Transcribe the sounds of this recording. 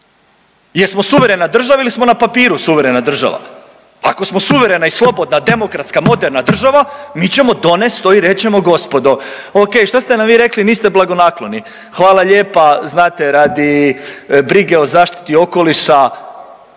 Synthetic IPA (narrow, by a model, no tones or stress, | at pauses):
jeɾsmosuʋe̞ɾe̞nad̪r̩ʒaʋailismo̞napapiːɾusuʋe̞ɾe̞nad̪r̩ʒa̰ʋa̰ | ako̞smo̞suʋe̞ɾe̞naislˠo̞bo̞d̪nad̪e̞mo̞kɾat̪skamo̞d̪eɾnad̪r̩ʒaʋamiːt͡ɕe̞mo̞d̪o̞nest̪oiɾe̞t͡ɕe̞mo̞ɡo̞spo̞d̪o | oke̞ːjʃt̪ast̪enamʋiːɾe̞kliniːst̪e̞blˠaɡo̞naklˠo̞ni | xʋaːlˠaʎe̞ːpaznaːt̪e̞ɾad̪i | bɾiɡeozaːʃt̪i̥t̪io̞ko̞liʃa